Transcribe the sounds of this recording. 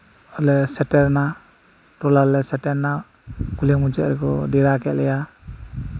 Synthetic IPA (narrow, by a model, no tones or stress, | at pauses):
ɔlɛsɛtɛɾna | tɔlalɛsɛtɛɾna | kulɛmud͡ʒɛʔɾɛkɔdɛɾakɛʔ̚lɛja